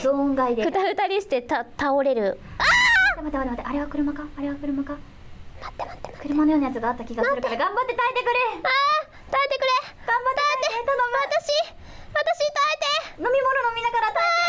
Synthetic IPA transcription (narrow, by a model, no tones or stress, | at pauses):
zõːŋɡaid̪ekɯ̟t̪aɾɯ̟t̪aɾʲiɕi̥t̪e̞t̪at̪ao̞ɾe̞ɾɯ̟at̪emat̪emat̪emat̪ːeaɾe̞βakɯ̟ɾɯ̟makaːɾe̞βakɯ̟ɾɯ̟maka | mat̪ːeat̪ːekɯ̟ɾɯ̟manojoːnajat͡sɨɡaːt̪ːakʲiɡassɯɾɯaɾaɡãmbat̪ːe̞t̪aet̪e̞kɯ̟ɾea | t̪aet̪e̞kɯ̟ɾeɡ̥ãmbat̪t̪aet̪onoat̪aɕi | βat̪aɕit̪aet̪enomʲimononomʲinakaɾat̪a